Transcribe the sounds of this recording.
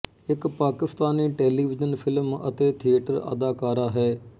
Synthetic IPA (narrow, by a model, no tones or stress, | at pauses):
ɪkpaːkɪst̪aːniːʈeːliːʋɪd͡ʒənpʰɪlmɐ̰t̪eːt̪ʰiəʈəɾə̰d̪aːkaːɾaːɦɛː